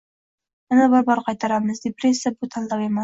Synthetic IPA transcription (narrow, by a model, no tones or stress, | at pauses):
manabɒɾbɒɾqʰɑjt̪ʰaɾamɨzd̪epɾesːjabʊt̪ʰand̪ˠaweman